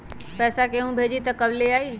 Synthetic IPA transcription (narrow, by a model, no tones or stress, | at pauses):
pɛːsakeɦũbʱeːd͡ʒit̪əkəbleaːiː